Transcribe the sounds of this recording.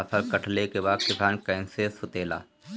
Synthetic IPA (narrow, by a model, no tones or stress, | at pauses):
əfʰəɾkɐʈʰlekebaːd̪kɪsaːnkɐɪ̃nseːsʊt̪eːla̰ː